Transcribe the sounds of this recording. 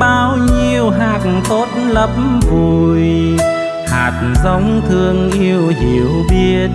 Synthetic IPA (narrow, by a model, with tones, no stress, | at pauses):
ɓaː˧wɲi˧əwɦaː˨˩t̚nt̪o˨˦˥t̚lə˨˩p̚mvu˨˩j | ha̰ː˨˩t̚zə˨˦wŋ͡mt̪ʰɨ˧əŋʔi˧əwhḭ˧˩˨əwɓi˦˥ət̚